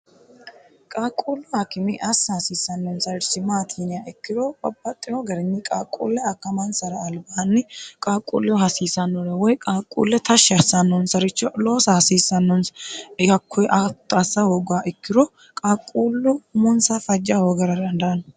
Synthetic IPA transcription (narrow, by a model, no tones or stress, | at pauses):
kʼaːkʼuːlːʊhakɪmɪʔɐsːɐhɐsiːsːɐnːɔnsɐɾɪsɪmaːt̪ʰiːnɪjaɪkːɪɾɔbɐbːɐt̪ʼːɪwɔɡɐɾɪɲːɪkʼaːkʼːṵːlːɛɐkːɐmɐnsɐɾɐːlbaːnːɪkʼaːkʼṵːlːɪwɔhɐsiːsɐnːɔɾɛwɔjkʼaːkʼːṵːlːɛt̪ʰɐʃːɐɾsɐnːɔnsɐɾɪt͡ʃːɔloːsɐhɐsiːsːɐnːɔnsɐkʰːɔjʔɐt̪ːɐsːɐhoːɡʊaːʔɪkːɪɾɔ | kʼaːkʼːuːlːʊmʊnsɐfɐd͡ʒːɐhoːɡɐɾɐd̪ɐnd̪ɐɐn